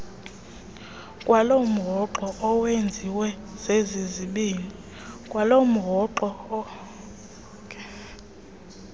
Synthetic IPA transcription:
kʼwalom̩ɦɔǃɔʔɔwend͡zʱiwɛ | z̥eziziɓiːni | kʼwalom̩ɦɔǃɔ

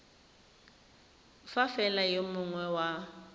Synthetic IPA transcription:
fafɛlajomʊŋwɛwa

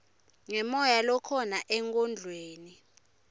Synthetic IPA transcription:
ŋɛmɔjalɔkʰɔnaʔɛŋkʼɔnd͡ɮʱweːni

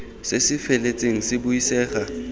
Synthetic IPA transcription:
sesɪfelet͡sʼeŋ̩sɪbʊisɛːχa

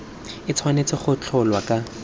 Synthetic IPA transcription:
ɪt͡sʰwanet͡sɪχʊt͡ɬʰʊlwakʼa

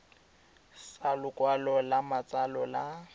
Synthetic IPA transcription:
salʊkʼwalɔlamat͡sʼalɔla

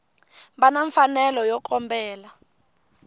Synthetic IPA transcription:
βanaɱfanɛlɔjɔk̬ʰʼɔmbɛːla

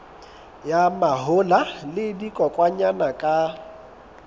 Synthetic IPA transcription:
jamaɦʊlalɪdikʼɔkʼwaɲanakʼa

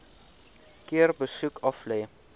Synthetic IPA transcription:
kiərbəsukʰɑflɛj

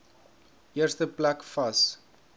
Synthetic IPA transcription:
ʔiərstəplækfɐs

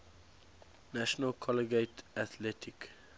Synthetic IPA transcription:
næʃɔnəlkʰɔləɡeɪtat̪lɛtʰik

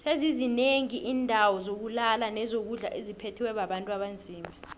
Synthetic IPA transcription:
sezizineŋiʔiːndʱawɔzok̬ulalanɛzok̬uɮa̰ʔezipʰetʰiwɛɓaɓantʼuaɓand͡zʱiːma

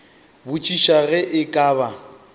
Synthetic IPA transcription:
bʊt͡ʃʼiʃaɣɛʔɪkʼaːba

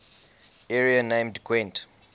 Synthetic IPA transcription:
ɛɹianẽmdkʰwɛ̃nt

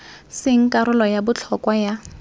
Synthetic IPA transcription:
sɪŋ̩kʼaɾʊlɔjabʊt͡ɬʰɔkwaja

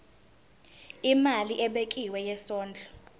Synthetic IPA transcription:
imaliʔɛɓekʼiwɛjɛsɔːnd͡ɮʱɔ

